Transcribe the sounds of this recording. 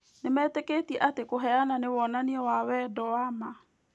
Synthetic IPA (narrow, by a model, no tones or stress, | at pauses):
nemɛteketiɛʔatekoɦɛananewɔnaniɛwawɛdɔwama